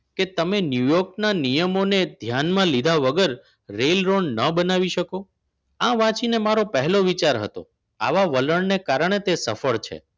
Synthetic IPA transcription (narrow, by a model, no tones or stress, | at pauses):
ket̪əmenjujɔɾknanijəmoned̪ʱjanmãlid̪ʱaʋəɡəɾ | ɾelɾoɳɖnəbənaʋiʃəko | ãʋãt͡ʃinemaɾopəɦɛloʋit͡ʃaɾɦə̰t̪o̰ | a̰ʋaʋələɳnekaɾɳ̃et̪esə̰fəɭt͡ʃʰḛ